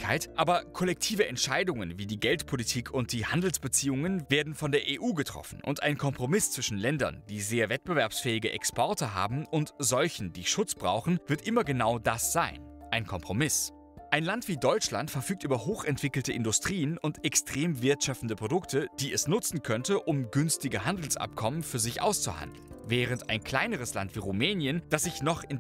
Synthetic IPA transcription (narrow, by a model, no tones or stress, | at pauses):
kʰaɪtʔaːbɐkʰɔlɛk̚tʰiːvəʔɛntʃaɪdʊŋənviːdiːɡɛltpʰolitʰiːkʰʊnt̚d̥iːhandl̩sb̥ət͡siːʊŋənveːɐdn̩fɔndeːɐʔeːʔuːɡətʁ̥ɔ̰fn̩ʔʊ̰ntʔa̰ɪnkʰɔmpʁ̥omɪst͡sv̥ɪʃn̩lɛndɐ̰nd̥iːzeːɐvɛt̚b̥əvɛɐpsfɛːɪɡəʔɛ̰kspʰɔɐtəɦa̰ːbm̩ʔʊntzɔlçn̩diːʃʊt͡sb̥ʁa̰ʊxn̩vɪɐtʔɪmɐɡənaʊdasz̥aɪn | ʔaɪnkʰɔmpʁ̥omɪs | ʔaɪnlantv̥iːdɔʏt͡ʃla̰ntfɛɐfyːk̚tʔyːbɐɦoːxɛntv̥ɪkl̩təʔɪndʊstʁ̥iːənʊntɛkstʁ̥eːmvɪɐtʃafn̩dəpʁ̥odʊktʰəd̥iːɛsnʊt͡sn̩kʰœntəʔʊmɡʏnstɪɡəɦandl̩sʔa̰p̚kʰɔmənfyːɐzɪçʔa̰ʊst͡sṵha̰ndl̩nvɛːʁ̞əntaɪnkl̥aɪnəʁ̞əsla̰ntv̥iːʁumɛːnjənd̥asz̥ɪçnɔχɪn